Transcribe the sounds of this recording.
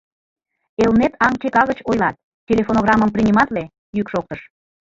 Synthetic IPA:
elnet̪ɑŋt͡ɕekɑɣət͡ɕojlɑt̪̚ | tʲelʲefonoɣrɑməmprinʲimɑt̪le | jykʃok̚t̪əʃ

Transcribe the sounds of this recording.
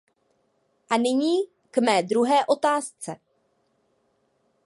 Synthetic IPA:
ʔanɪɲiː | kmɛːd̪ɾuɦɛːʔo̞t̪aːst͡sɛ

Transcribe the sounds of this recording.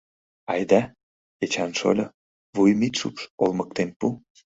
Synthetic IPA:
ɑjd̪æ | et͡ɕɑnʃo̰lʲɤ | βujmit̪ʃupʃolmɤkt̪enpu

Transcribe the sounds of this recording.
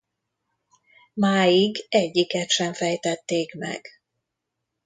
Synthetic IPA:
maːjiɡɛɟːikɛt̪ʃɛɱfɛjt̪ɛt̪ːeːkmɛ̰ɡ̥

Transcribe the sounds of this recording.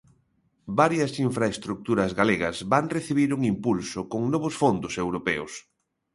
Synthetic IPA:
baɾjɐsiɱfɾaest̪ɾuk̚t̪uɾɐzɣaleɣɐzβaŋreθiβiɾuŋimpulsʊkoŋnɔβʊsfond̪ʊsewɾopɛʊ̰s

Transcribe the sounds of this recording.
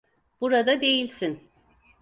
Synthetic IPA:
b̥uɾad̪ad̪e̞jilʲsin

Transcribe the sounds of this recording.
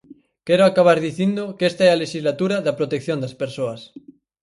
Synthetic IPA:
keɾoakaβ̞aɾðiθjind̪okest̪aealeʃizlat̪uɾaðapɾot̪ekθjond̪aspeɾsoas

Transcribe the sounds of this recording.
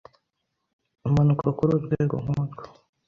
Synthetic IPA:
umanukokuɾuɾɡweːɡo̰ŋ̥uzɡa

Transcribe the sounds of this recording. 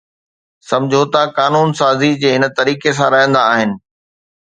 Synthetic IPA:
sɐ̃md͡ʑʱot̪ɐkaːnuːnsaːzid͡ʑeːɦɪnət̪ɐɾiːkes̬ãɾɐɦĩnd̪aːɦɪnɪ̆

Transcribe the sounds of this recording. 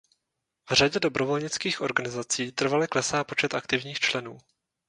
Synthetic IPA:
vr̝aɟɛdo̞bɾovo̞lɲɪt͡skiːxʔo̞ɾɡanɪzat͡siːt̪r̩valɛklɛsaːpot͡ʃɛt̪akt̪ɪvɲiːxt͡ʃlɛnuː

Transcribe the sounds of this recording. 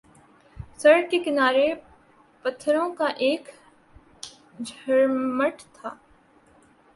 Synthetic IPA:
sɐɾkekɪnaːɾe | pɐt̪ʰːɾõkaʔeːk | d͡ʒʱɐɾməʈt̪ʰaː

